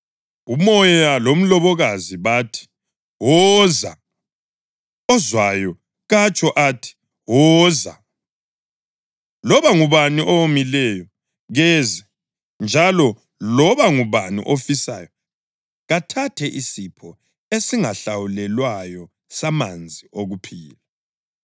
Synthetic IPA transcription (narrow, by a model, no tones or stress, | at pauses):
umɔjɔjjalom̩lɔβɔɣaziβatʰi̥ | wɔza̰ | ɔzwajɔ | ɣat͡ʃʼɔʔaːtʰi̥ | wɔːza | lɔβaŋuβaniʔɔwomilɛjɔ | ɣɛzɛ | nd͡ʒʱalɔ | lɔβaŋuβanḭʔofisa̰jɔ | ɣatʰatʰɛʔisipʰɔ | esiŋaɬawulɛlwajɔ | samand͡zʱioɣupʰiːlɛ